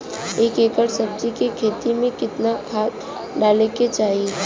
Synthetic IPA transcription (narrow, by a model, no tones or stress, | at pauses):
eːkeːkəɾsɐb̚d͡ʒikekʰeːt̪imẽkɪt̪nakʰaːt̪ | ɖaːleket͡ʃaːɦie